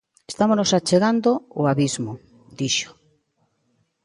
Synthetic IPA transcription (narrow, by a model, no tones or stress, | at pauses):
est̪amonosat͡ʃeɣand̪oːaβizmo | d̪iʃo̥